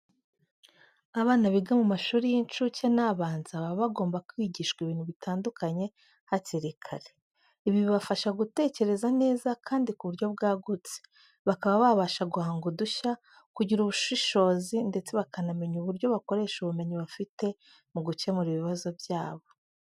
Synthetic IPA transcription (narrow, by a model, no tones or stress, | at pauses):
aβaːnaβiɡamumaʃuːɾijint͡ʃucenaːβaːnz̥aβaββaɡo̞ːmbakwiːɟiʃkwiβiːn̥huβitaːndukaɲe̞ | haciɾikʰa̰ɾe | iβiβiβafaʃaɡute̞ːce̞ɾe̞zane̞ːzakʰaːndikuβuɾɟo̞b̚ɡaːɡut͡se̥ | βakaβaβaβaʃaɡuhaːŋɡuduça | kuɟiɾuβuʃiʃo̞ːzinde̞t͡se̞βakanameɲuβuɾɟo̞βako̞ɾe̞ːʃuβume̞ɲiβafite̞ | muɡuce̞muɾiβiβazo̞bjaːβo̞